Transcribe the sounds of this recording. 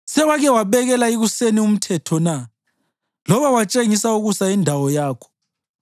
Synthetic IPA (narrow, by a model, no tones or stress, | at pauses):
sɛwaɣɛwaβɛɣɛlaiɣusenium̩tʰɛtʰɔna | lɔβawat͡ʃʼeŋisauɣusaindʱawɔjaːkʰɔ̥